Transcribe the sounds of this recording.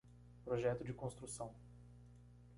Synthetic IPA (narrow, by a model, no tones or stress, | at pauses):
pɾoʒɛt̪ʊd͡ʒɪkõst̪ɾusɐ̃w̃